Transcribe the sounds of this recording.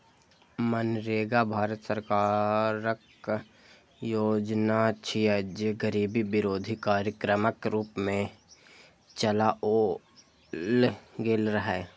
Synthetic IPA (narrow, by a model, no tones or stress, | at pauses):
mənɾeːɡabʱaːɾət̪səɾkaːɾək | joːd͡ʒnat͡ʃʰiəd͡ʒeɡəɾiːbibɪɾoːd̪ʱikaːɾjəkɾəməkɾuːpmẽ | t͡ʃəlaʔo | lɡeːlɾəɦɛ